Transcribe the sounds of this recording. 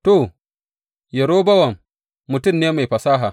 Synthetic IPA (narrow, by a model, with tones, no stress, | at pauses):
to˨ | jɐ˨ɾoː˦bɐ˦wɐ˨mː | ʊ˨tʊ˦˨mneː˦ma˨jɸɐ˨saː˦ɦa˨